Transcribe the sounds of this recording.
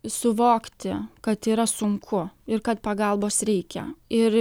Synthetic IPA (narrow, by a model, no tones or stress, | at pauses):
sʊʋoːkt̪ʲɪkɐt̪iːɾɐsʊŋkʰʊɪɾkɐt̪pɐɡɐlˠboːsɾʲɛɪkʲɛ̰ɪɾ